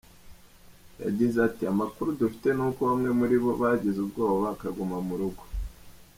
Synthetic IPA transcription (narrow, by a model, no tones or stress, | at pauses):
ja̰ɟizeatiamakuɾudufi̥te̞nuːkoβamŋe̞muɾiβo̞βaɟizubɡo̞ːβakaɡumamuɾuɡo